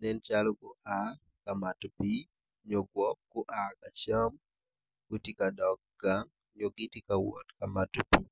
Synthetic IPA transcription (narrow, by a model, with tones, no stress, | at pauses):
nɛ˦nt͡ʃalɔ˦ɡʊ˨ʔa˨ | kamatpi˦ | ɲo˨ɡwɔ˦p̚ɡ̥ʊ˦ʔa˦ka˨t͡ʃa˦m | ɡ̥o˦ti˦ka˨dɔ˨k̚ɡaŋ | ɲo˨ɡi˦ti˦kawɔ̰˨tka˨matpi˨